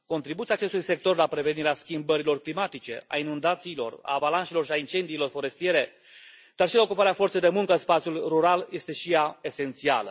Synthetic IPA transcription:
ko̞nt̪ɾibut̪iaːt͡ʃe̞st̪ujse̞k̚t̪o̞rlapɾe̞ve̞niɾeaskʲimbəɾilo̞rklimat̪it͡ʃe̞̰a̰inund̪at̪siːlo̞̰ra̰ːvalanʃelo̞rʃiaint͡ʃe̞nd̪iːlo̞rfo̞ɾe̞st̪ije̞ɾe̞ | d̪̥arʃilaokupaɾeafo̞rt̪ejd̪e̞muŋkəɨnspat̪sjulruɾalje̞st̪e̞ʃijae̞se̞nt̪sia̰lə̰

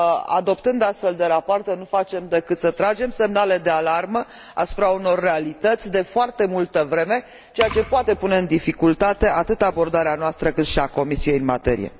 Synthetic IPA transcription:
a̰d̪o̞pt̪ɨnd̪ast̪fe̞ld̪eɾapoart̪enufat͡ʃe̞md̪e̞kɨt̪sət̪ɾad͡ʒe̞mse̞mnale̞d̪e̞alarmə | a̰su̥pɾauno̞rːe̞alit̪ət̪sʲd̪e̞foart̪e̞mult̪əvɾe̞me̞ | t͡ʃe̞jat͡ʃe̞poat̪e̞pune̞ɨnd̪ifikult̪at̪e̞ʔat̪ɨt̪abo̞rd̪aɾeanoast̪ɾəkɨt̪ʃiako̞misije̞jɨnmat̪e̞ɾḭjḛ

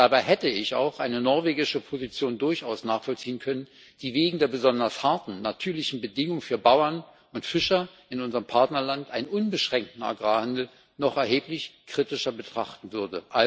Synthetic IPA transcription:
d̥aːbaɪɦɛtəɪça̰ʊxʔaɪnənɔɐveːɡɪʃəpʰozit͡sjoːndʊɐçaʊsnaːχfɔlt͡siːənkʰœnən | d̥iːveːɡŋ̩deːɐbəzɔndɐshaɐtn̩natʰyːɐlɪçn̩bədɪŋʊŋfyːɐbaʊɐn | ʔʊntfɪʃɐ | ɪnʊnzəʁəmpʰaɐtnɐlantʔaɪnənʔʊnbəʃʁ̥ɛŋk̚tn̩a̰ɡʁaːhandl̩ | nɔχɛɐɦeːplɪçkʁ̥itɪʃɐbətʁ̥aχtn̩vʏɐdəʔa

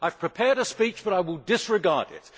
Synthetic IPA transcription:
ʔaɪv̥pʰɹ̥ɨpʰɛɹɾɨspit͡ʃb̥ʌɾaɪwɪlˠdɪsɹɨɡɑɹdɪ̰t̚

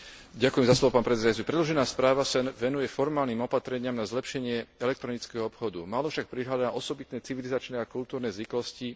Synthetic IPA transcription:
ɟakujɛmzaslɔʋɔpaːnpɾɛt͡sɛd̪ajut͡sipɾɛd̪lɔʒɛnaːspɾaːʋasɛnʋɛnujɛfɔɾmaːlniːmɔpat̪ɾɛɲɪamnazlɛpʃɛɲɪɛɛlɛk̚t̪ɾɔnit͡skɛɦɔɔpxɔd̪ṵmaːlɔfʃak̚pɾiɦlad̪aʔɔsɔbit̪nɛːt͡siʋilizat͡ʃnɛːakult̪uːɾnɛzʋiklɔsci

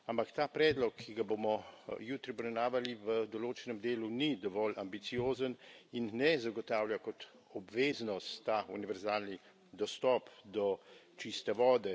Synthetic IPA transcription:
ampakt̪aːpɾɛːd̪lɔkʰːiɡabomɔjut̪ɾiɔbɾɛwnaːʋaliʋəd̪ɔloːt͡ʃɛnɛmd̪eːlunid̪ɔʋɔlʔambit̪sijoːzəninːɛzaɡɔt̪aːwljakɔt̪ | ɔbʋeːznɔst̪ːaṵniʋɛɾzaːlni | d̪ɔst̪ɔpd̪ɔt͡ʃist̪ɛʋɔːd̪ɛ

